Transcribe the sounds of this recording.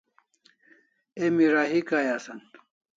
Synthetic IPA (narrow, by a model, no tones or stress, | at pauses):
emiɾaɦikajaːsɐn